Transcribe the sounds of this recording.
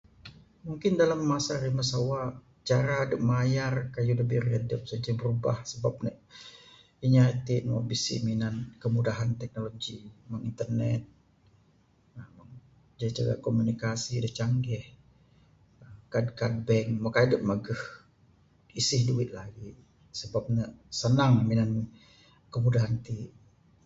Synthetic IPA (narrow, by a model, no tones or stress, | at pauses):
muŋkɪndalamːasaɾiməsawaʔ | t͡ʃaɾadəʔ̚majarkajuləbiradəp̚sad͡ʒabəɾubahsəbap̚nɛʔ | iɲat̪ɪʔnmɔ̰bisḭminankəmudaɦant̪ɛk̚noloɡimaŋint̪ərnɛt̪̚ | m | d͡ʒait͡ʃaɡa̰ʔkomunikasidəht͡ʃaŋɡɛh | əmkad̚kad̚bɛŋmakadəp̚məɡəh | isɪhduɪt̪̚laɡi | səbap̚nəsənaŋminan | kəmudaɦant̪iʔ